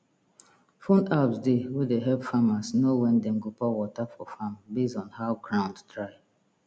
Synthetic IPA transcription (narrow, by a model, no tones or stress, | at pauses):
fõnabsdewedeɦɛvfamasnowɛ̃ndɛm̩ɡopawɔtafɔfambezɔ̃nhaʊɡɹãʊ̃ndtɹaɪ